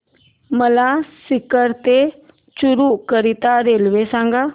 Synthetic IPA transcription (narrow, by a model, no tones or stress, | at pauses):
məlasɪkəɾt̪e | t͡ʃuɾukəɾit̪aɾelʋesãːŋɡa